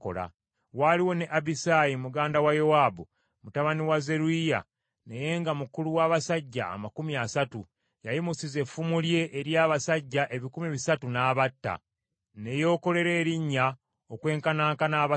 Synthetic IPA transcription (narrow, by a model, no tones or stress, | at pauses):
ko̰la̰ | waliwo̞ne̞ʔabisajimuɡaːndawajowaːbu | mutaβaniwaze̞ɾuija̰ | ne̞je̞ːŋɡamukuluwaːβasaɟːa̰ːmakumiasatu | jajimusize̞fumulje̞ʔːɾjaːβasaɟːaʔe̞βikumiβisatunaːβatːa̰ | ne̞jo̞ːko̞le̞ɾeːɾiɲːa | okwe̞ːŋkanaːŋkanaːβa